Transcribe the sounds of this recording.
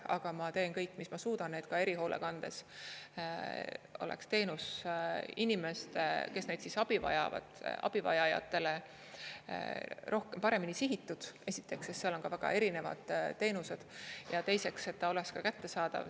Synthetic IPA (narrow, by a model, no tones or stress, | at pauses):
ɑɡ̥ɑmɑt̪e̞ːnkɤjkːˑmismɑsuːd̪̥ɑnnːe̞ːd̪̥kɑeɾiɦo̞ːlʔe̞̰kɑnd̪̥e̞̰s | o̞̰lḛkst̪e̞ːnus | inime̞st̪eke̞sne̞jd̪̥sisɑb̥ivɑ̰jɑ̰vɑ̰d̪̥ʔɑ̰b̥ivɑ̰jɑjɑ̰t̪ːˑe̞le̞̰ | ɾo̞hkempɑɾe̞minisiɦit̪ːˑud̪̥e̞sit̪ːˑe̞ksesseɑlo̞nkɑvæɡ̥ɑ̰ʔe̞ɾine̞vɑ̰d̪̥t̪ːe̞ːnuse̞d̪̥jɑt̪e̞jse̞kse̞t̪ːɑo̞lekskɑkæt̪ːe̞sɑːd̪̥ɑ̰v